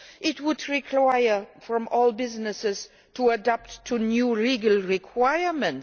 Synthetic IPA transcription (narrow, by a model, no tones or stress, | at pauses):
ʔɪt̚wʊdɹikʰwaɪə˞fɹɔ̃mɔlˠbɪznɨsɪz̥ | tʰuədap̚tʰːunjuliɡəlˠɹikʰwaɪə˞mə̃nt